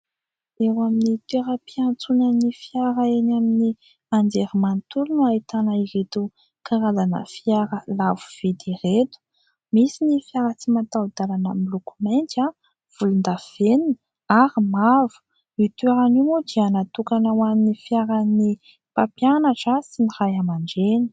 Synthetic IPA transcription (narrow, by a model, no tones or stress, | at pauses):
ewaminit̪eɾəpiant͡sunanifjaɾaenamini | and͡zeɾimant̪ulunuait̪anaiɾet̪u | kaɾazanə̰fjaɾəlavuv̥ed̪iret̪u̥ | misinifjaɾət͡simat̪awd̪alanamilukumant̪a | v̥ulund̪av̥enin | aɾimavu̥ | it̪ueɾanimod̪ianat̪ukanawaninifjaɾani | papjanaʈ͡ʂəsinirajamaɳɖ͡ʐeni̥